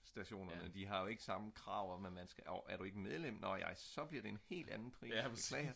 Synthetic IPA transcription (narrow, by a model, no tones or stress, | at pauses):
sd̥æɕo̝̰ːnɐnəd̥iɦɑ̈jo̝e̝ɡ̥əsɑ̈məkʰʁɑ̈ʊ̰ɒmemænsɡ̥æɒæɐɾue̝ɡ̥əmeð̞ˠlem̰nɒjɑ̈ɪsɒ̽b̥liɐɾ̥e̝enhe̝̰ːld̥ænn̩pʰʁḭ̥ɛ